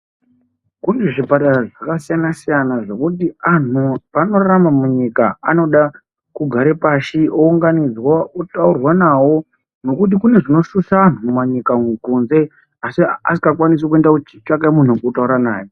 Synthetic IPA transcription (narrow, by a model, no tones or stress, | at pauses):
kuneʐipataraʐakasijanasijanaʐe̞kutianupano̞raɾamamuɲikaano̞ɗa | kuɡʱaɾepaʃiouŋɡanid͡zwautaurwanawo̞ | no̞kut̬ikune̞ʐino̞ʃusaːn̤uumaɲikakunze̞ | asia̰si̥kakwanis̬ok̬uendakut͡ʃi̥t͡ʃakamun̤ukutauɾana̰ːjo